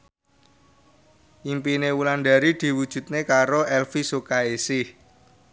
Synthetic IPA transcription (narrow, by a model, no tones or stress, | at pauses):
ʔimpinewulanɖ̪a̤ɾid̪̥i̤wud̥ʒ̥ṳt̪̚nekaɾoʔɛlfisokaesɪh